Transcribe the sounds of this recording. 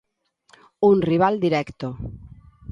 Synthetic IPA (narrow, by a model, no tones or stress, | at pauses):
unriβ̞ald̪iɾɛkt̪o